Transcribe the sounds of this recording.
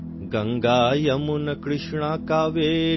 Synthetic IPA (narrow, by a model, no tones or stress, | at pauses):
ɡɐŋɡaːjɐmunɐkɾɪʂɳaːkaːʋeː